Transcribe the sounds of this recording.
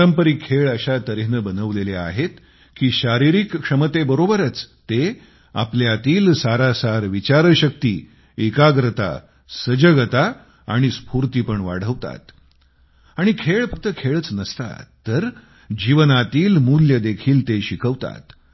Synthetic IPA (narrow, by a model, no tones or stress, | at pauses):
əɾəmpəɾiːkʰeɭəɕat̪əɾiɦnəbənəʋlelea̰ɦet̪ | kiːɕaɾiɾikːʂəmət̪ebəɾobəɾət͡st̪e | a̰pljat̪iːlsaɾasaɾʋit͡ɕaɾəɕək̚t̪iː | ekaɡɾət̪a̰ | səd͡ʑəɡət̪a | aɽ̃ispuɾt̪iːpəɳʋaɽ̤əʋt̪a̰t̪ | aɽ̃ikʰeɭfək̚t̪əkʰeɭət͡snəst̪a̰ːəɾ | d͡ʑiʋənat̪iːlmuljəd̪ekʰiːlt̪eɕikʰəʋt̪a̰t̪